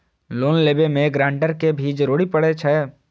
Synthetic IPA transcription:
loːnleːbemẽɡɾãːɳɖəɾkebʱiːd͡ʒɾoːɽipəɽet͡ʃʰɛ

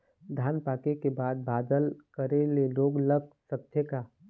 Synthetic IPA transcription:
d̪ʱjaːnpaːkekebaːd̪̚baːd̪əlkəɾeleloːɡləɡ̚sək̚t̪ʰjəkaː

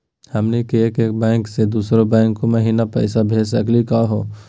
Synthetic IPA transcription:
hɐmnekiekeːk̚bɛ̃ːŋksed̪uːsɾobɛ̃ːŋkːomɐɦiːnapɛɪsabʱeːsɐklikaɦoː

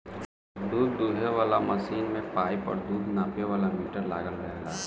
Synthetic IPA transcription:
d̪uːd̪ːuːɦeʋaːlamɐsiːnmẽpaːjpɔ̰ɾd̪uːd̪ʱnaːpjeʋaːlamiːʈəɾla̰ːɡəlɾɛɦla̰ː

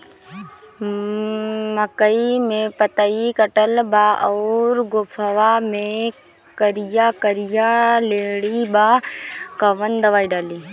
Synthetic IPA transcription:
məkəimẽpət̪aikəʈəlbaːʔɔːɾɡopʰəʋaːmẽ | kəɾijakəɾɪjaleːɽibaːkəʋənd̪əʋaːiɖaːliː

